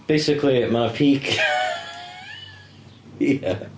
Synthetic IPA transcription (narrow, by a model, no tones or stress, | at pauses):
b̥eɪsɪkʰlimapʰiˑk | jæ